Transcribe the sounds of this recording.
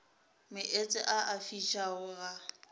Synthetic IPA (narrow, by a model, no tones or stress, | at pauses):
mɪʔet͡sʼɪʔaʔafiʃʰaʊɣa